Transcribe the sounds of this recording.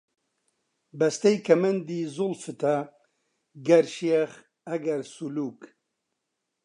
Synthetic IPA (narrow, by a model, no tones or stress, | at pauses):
bɐst̪ɐjkʰɐmɐnd̪iːzʊlfɨt̪ʰɐ | ɡɐɾʃiɛχ | ɐɡɐɾsuluːk